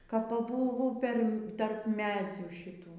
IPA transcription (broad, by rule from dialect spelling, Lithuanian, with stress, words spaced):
kɐp pɐˈbuːʋʊ ˈpʲɛr tɐrp ˈmʲæːd͡zʲuː ʃʲɪˈtuː